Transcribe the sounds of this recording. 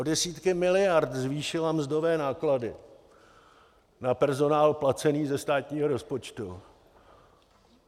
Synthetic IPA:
ʔodɛsiːt̪kɪmɪlɪjaɾt̪zviːʃɪlamzd̪o̞vɛːnaːkladɪ | napɛɾzo̞naːlplat͡sɛniːzɛst̪aːt̪ɲiːɦoɾo̞spo̞t͡ʃt̪u

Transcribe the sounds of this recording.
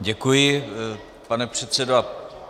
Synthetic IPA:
ɟɛkujɪ | panɛpr̝̥ɛt̪sɛdoa

